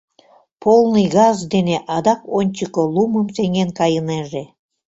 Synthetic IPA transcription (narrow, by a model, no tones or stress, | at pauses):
polˠnɨjɣɑzd̪eneʔɑd̪ɑkonʲt͡ɕəkə̆lˠuməmseŋenkɑjəneʒe